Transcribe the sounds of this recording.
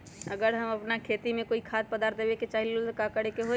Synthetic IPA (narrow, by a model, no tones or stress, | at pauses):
ɐɡəɾɦɐmɐpnakʰeːt̪imẽkoːikʰaːt̪̚pəd̪aːɾt̪̚d̪eʋeket͡ʃaːɦilolkakəɽekeɦoː